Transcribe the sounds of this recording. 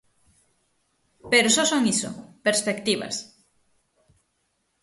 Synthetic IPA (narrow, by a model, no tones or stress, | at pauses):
peɾosɔsoŋiso̰peɾspekt̪iβɐ̰s